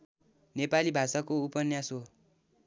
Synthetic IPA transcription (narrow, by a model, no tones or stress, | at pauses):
nepalibʱasakoupʌnjaso